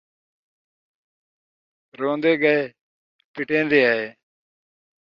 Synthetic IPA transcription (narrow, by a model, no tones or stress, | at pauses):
ɾõːnd̪eːɡəeː | pɪʈẽːnd̪eːaːɦeː